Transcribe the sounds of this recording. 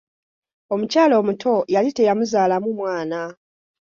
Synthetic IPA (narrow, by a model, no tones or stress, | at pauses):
o̞mucaːlo̞ːmutʰo̞jalite̞jamuzaːlamumwaːna